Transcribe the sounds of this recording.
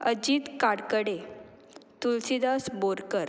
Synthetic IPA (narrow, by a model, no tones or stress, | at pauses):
əd͡ʑiːt̪kaɽkəɽe | t̪ulsid̪asboɾkəɾ